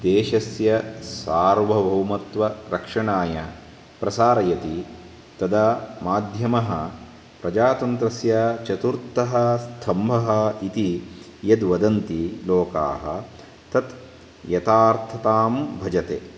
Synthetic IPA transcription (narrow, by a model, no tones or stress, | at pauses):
d̪eːʃɐsjɐsaːɾʋɐbʱɐwmɐt̪ʋɐɾɐkʂɐɳaːjɐ | pɾɐsaːɾɐjɐt̪i | t̪ɐd̪ɐmaːd̪ʱjɐmɐɦɐ | pɾɐd͡ʒaːt̪ɐnt̪ɾɐsjɐt͡ʃɐt̪uɾt̪ːɐɦɐst̪ʰɐmbʱɐɦɐit̪i | jɐd̪ʋɐd̪ɐnt̪iloːka̰ːɦɐ | t̪ɐt̪ | jɐt̪aːɾt̪ʰɐt̪aːmbʱɐd͡ʒɐt̪ḛː